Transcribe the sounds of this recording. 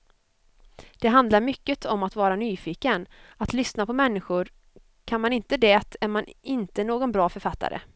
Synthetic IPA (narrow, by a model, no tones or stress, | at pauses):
d̪̥ɛɦand̪laɾmʏkːət̪ʰɔmat̪vɑːɾanyːfiːkənat̪lʏsnapʰɔmɛnːɪɧʊɾ | kʰanmanɪnt̪əd̪ɛːt̪ʰæɾmanɪnt̪ənoːɡɔnbɾɑːfœɾfat̪ːa̰ɾʔə̰